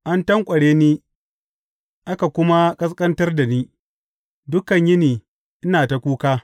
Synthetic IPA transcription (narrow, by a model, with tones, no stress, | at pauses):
ʔa˦ntɐ˦ŋkʷʼɐ˨ɽeː˦niː˦ | ʔa˦ka˨kʷʊ˦ma˦kʼɐ˦skʼɐ˦ntɐ˦rda˨niː˦ | dʊ˦kɐ˨ɲjɪ˦niː˨ | ʔɪ˦naː˨ta˨kʷuː˦kaː˦